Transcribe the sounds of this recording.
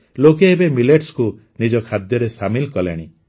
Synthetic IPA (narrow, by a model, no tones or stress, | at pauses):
lokeːbemileʈsku | nid͡ʒɔkʰad̪jɔɾesamilkɔlḛɽ̃i